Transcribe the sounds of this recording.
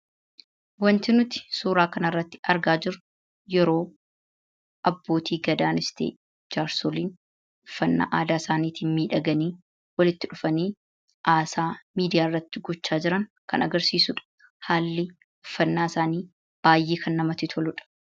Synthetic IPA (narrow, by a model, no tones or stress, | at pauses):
wɐnt̪ɪnʊt̪ɪ̥suːɾaːkɐnɐrːɐt̪ːɪ̥ʔɐɾɡaːd͡ʒɪɾʊ | jɛɾo̞ː | ʔɐbːo̞ːt̪ʰiːɡɐd̪aːnɪst̪ḛː | d͡ʒaːɾsoliːn | ʊfːɐnːa̰ːʔaːd̪aːsaːniːt̪iːnmiːᶑɐɡɐniː | wɐlɪt̪ːɪᶑʊfɐniː | ʔaːsaːmiːd̪ɪjaːɪrːɐt̪ːɪɡɔt͡ʃːaːd͡ʒɪɾɐŋkɐnɐɡɐɾsiːsʊᶑɐ̥ | haːlːɪ | ʊfːɐnːaːɪsaːniː | b̥aːjʔeːkʰɐnːɐmɐt̪ɪt̪ʰɔlʊᶑɐ̥